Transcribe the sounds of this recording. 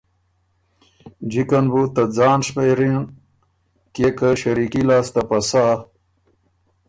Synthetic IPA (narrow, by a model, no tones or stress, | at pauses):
d͡ʑikɐnbut̪ɐd͡zaːnʂpejɾin | kekɐɕɐɾikilaːst̪ɐpɐsa